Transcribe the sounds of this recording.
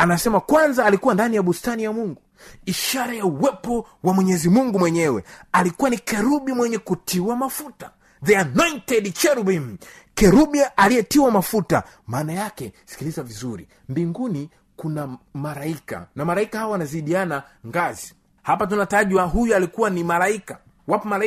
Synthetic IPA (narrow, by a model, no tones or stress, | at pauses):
anasɛmakwanzaːlikuwandanijaɓustanijamuŋɡu | iʃaɾajauwɛpɔ | wamwɛɲɛzimuŋɡumwɛɲɛwɛ̰alikuwanikɛɾuɓimwɛɲɛkutiwamafuta | ðɛanɔintɛdt͡ʃɛɾubim̩kɛɾuɓialiɛtiwamafuta̰maːnajakɛsi̥kilizavizuɾḭ | mbiŋɡuni | kunamaɾaika̰namaɾaikahawawanaziɗiana | ŋɡazi | hapatunataʄwaɦujualikuwanimalaika | wapɔmal